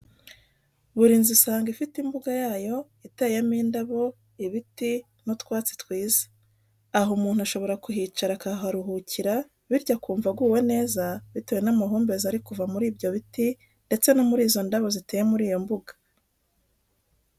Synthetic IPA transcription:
βuɾiːnzisaːŋɡifitimbuɡajaːjo̞ | itejamiːndaβo̞ | iβiti | notkwaːt͡si̥tkwiːze̥ | aɦomuːn̥huaʃo̞βo̞ɾakuɦit͡ʃaɾakaɦaɾuɦuciɾa | βiɾɟakuːɱvaɡuːwe̞ne̞ːzaβiteje̞namaɦuːmbe̞zaɾikuvamuɾiːbɟo̞βiti | nde̞t͡se̞no̞muɾiːzo̞ndaβo̞zitejemuɾiːjo̞mbuɡḁ

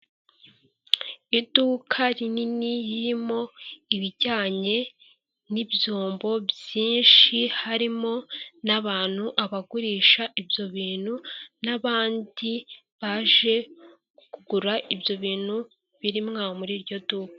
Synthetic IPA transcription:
iduːkʰaɾininijiɾimo̞iβiɟaːɲe̞ | nibjoːmbo̞bjiːnʃihaɾimo̞naβaːn̥huʔaβaɡuɾiːʃaʔibjo̞βiːn̥hunaβaːndiβaʒe̞ | kuɡuɾaʔibjo̞βiːn̥hu | βiɾimŋaːomuɾiɾɟo̞duːkḁ

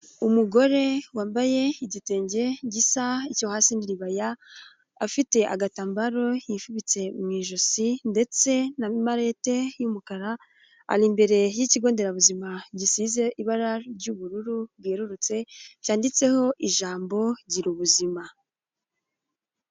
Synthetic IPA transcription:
umuɡo̞ɾe̞waːmbaje̞iɟite̞ːɲɟe̞ɟisaicohaːsiniɾiβajaː | fite̞ʔa̰ɡataːmbaɾo̞jifuβit͡se̞mŋiːʒosinde̞t͡se̞namaɾe̞ːte̞jumukaɾa | a̰ɾimbe̞ɾe̞jiciɡo̞ːnde̞ɾaβuzimaɟisize̞ʔiβaɾaɾɟuβuɾuɾuβɡeːɾuɾut͡se̞caːndit͡se̞ho̞ʔiʒaːmbo̞ɟiɾuβuzima

